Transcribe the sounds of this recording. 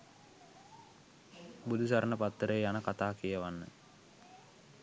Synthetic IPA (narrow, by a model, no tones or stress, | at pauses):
bud̪ʱusaɾənəpat̪ːəɾəjjanəkat̪aːkijəʋanːə̰